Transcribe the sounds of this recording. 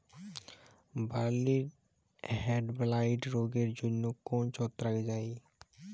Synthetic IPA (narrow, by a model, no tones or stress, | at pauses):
baliɾ | ɦeɖblajʈɾoɡeɾd͡ʑonːokɔnt͡ɕɔt̪ːɾaked͡ʑaj